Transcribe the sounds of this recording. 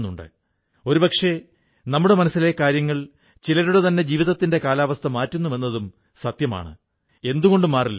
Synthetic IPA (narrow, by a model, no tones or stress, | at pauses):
nːuɳɖɨ̰ | o̞ɾupɐkʂe̞ | nɐmːuɽe̞mɐnɐsːilekaːɾjɐŋːɐɭ | t͡ɕilɐɾuɽet̪ɐnːe̞d͡ʑiːʋiðɐt̪ːinde̞kaːlaːʋɐst̪ʰɐmaːtːunːuʋe̞nːɐðum | sɐt̪jɐma̰ːɳɨ̰ | e̞nd̪uɣo̞ɳɖumaːrilːɐ